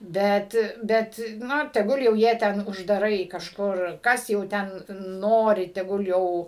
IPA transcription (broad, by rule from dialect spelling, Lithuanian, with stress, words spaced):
ˈbʲɛt ˈbʲɛt ˈnʊ tʲɛˈɡʊlˠ jɛʊ ˈjiɛ ˈtʲɛn ʊʒdɐˈrɐɪ kɐʃˈkʊr ˈkɐs jɛʊ ˈtʲɛn ˈnoːrʲɪ tʲɛˈɡʊlˠ ˈjɛʊ